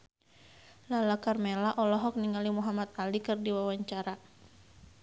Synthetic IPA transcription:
lalakarmelaʔɔlɔɦɔk̚niŋalimuɦamat̪̚alikɨrdiwawaɲt͡ʃaɾa

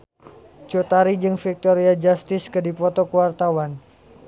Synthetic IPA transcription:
t͡ʃut̪aɾid͡ʒɨŋfik̚t̪ɔɾiad͡ʒast̪ɪskədipɔt̪ɔkəwart̪awan

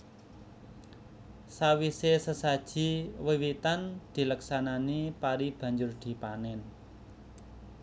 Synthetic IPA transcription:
sawisesəsad̥ʒ̥i̤wiwit̪and̪̥i̤ləksananipaɾib̥ä̤ɲd͡ʒʊrd̪̥i̤panɛn

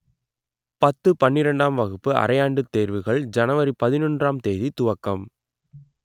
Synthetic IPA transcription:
pɐt̪ːɯpɐnːɪɾɐɳɖaːmʋɐɣɯpːɯʔɐ̰ɾɐjaːɳɖɯt̪ːeːɾʋɯɣɐɭd͡ʒɐnɐʋɐɾipɐðɪnɔndraːmt̪eːðit̪ʊʋɐkːɐm

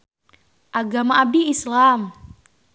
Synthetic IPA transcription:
ʔaɡamaʔabiislam

